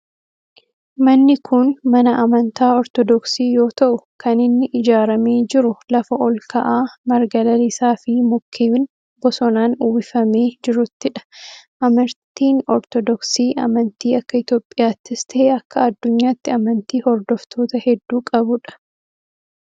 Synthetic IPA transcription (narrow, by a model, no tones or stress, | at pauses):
mɐnːɪkʰʊnmɐnɐʔɐmɐnt̪aːɔɾt̪ɔd̪ɔksiːjo̞ːt̪ɐʔʊkʰɐnɪnːɪʔɪd͡ʒaːɾɐmeːd͡ʒɪɾʊlɐfɐʔɔlkɐʔaːmɐɾɡɐlɐlɪsaːfɪmɔkʰːeːɪn | bɔsɔnaːnuːbɪfɐme̞ːd͡ʒɪɾʊt̪ːɪᶑɐ̥ʔɐmɐɾt̪iːnɔɾt̪ɔd̪ɔksiːʔɐ̰mɐnt̪iːɐkːɐɪt̪jo̞ːpʼːɪjaːt̪ːɪst̪ɐːɐkːɐɐd̪ːʊɲːaːt̪ːɪɐmɐnt̪iːhɔɾd̪ɔft̪ʰo̞ːt̪ɐhɛd̪ːuːkʼɐbʊᶑɐ̥